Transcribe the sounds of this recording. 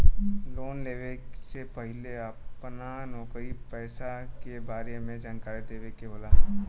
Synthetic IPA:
loːnleːʋeksepəɦɪleəpnanɔːkɾipɛːsakebaːɾemẽd͡ʒãːŋkaːɾid̪eːʋekeɦoːlaː

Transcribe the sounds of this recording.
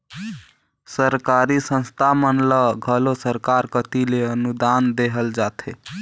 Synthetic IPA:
səɾkaɾisə̃nst̪ʰamənləɡʱəlosəɾkaɾkət̪ileənud̪and̪eɦəld͡ʒat̪ʰḛ

